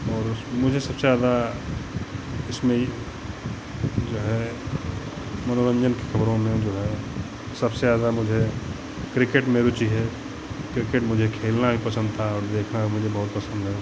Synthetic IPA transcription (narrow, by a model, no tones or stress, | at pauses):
ɔːɾmʊd͡ʒʱesɐbseaːd̪a | ɪsmẽ | d͡ʒoːɦɛ | mɐnoɾə̃nd͡ʒənke̥xʰɐbɾõmẽd͡ʒoːɦɛ | sɐbseaːd̪amʊd͡ʒʱe | kɾɪkeʈmeːɾut͡ʃiɦɛ | kɾɪkeʈmʊd͡ʒʱekʰeːlnabʱipɐsə̃nd̪̚t̪ʰaɔːɾd̪eːkʰnaɦimʊd͡ʒʱebɐɦʊt̪̚pɐsə̃nd̪ɦɛ